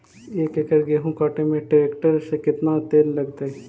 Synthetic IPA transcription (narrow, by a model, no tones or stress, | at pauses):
eːkekəɾɡeːɦũkaːʈemẽʈɾeːkʈəɾsekɪt̪nat̪eːlːɐɡt̪aɛ